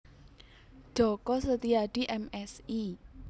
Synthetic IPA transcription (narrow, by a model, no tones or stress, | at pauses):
d͡ʒ̥ɔ̤kɔsət̪iaɖ̥i̤ʔɛmɛsi